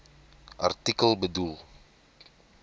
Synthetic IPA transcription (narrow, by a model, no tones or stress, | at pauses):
ʔa̰rt̪ikəlbədul